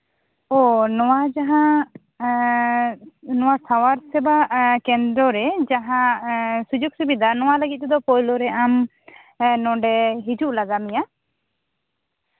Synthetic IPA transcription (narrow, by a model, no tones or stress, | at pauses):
ɔnɔwad͡ʒaɦã | nɔwasawaɾsɛbakɛnd̪ɾɔɾɛd͡ʒaɦãsud͡ʒuɡ̚subid̪anɔwaləɡit̪̚t̪ɛd̪ɔpɔjlɔɾɛʔam | nɔ̃ɖɛɦid͡ʒuʔlaɡamija